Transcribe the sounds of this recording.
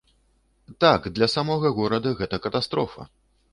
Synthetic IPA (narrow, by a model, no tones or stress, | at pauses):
t̪akd̪lʲɐsamɔɣɐɣɔɾɐd̪ɐɣɛt̪ɐkɐt̪ast̪ɾɔfɐ̰